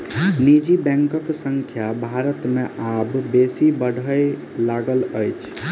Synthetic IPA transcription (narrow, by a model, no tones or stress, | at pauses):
nid͡ʒibɛ̃ŋkəksəŋkʰjabʱaɾət̪meʔʔabːesibəɽʱəj | laɡələjt͡ʃʰ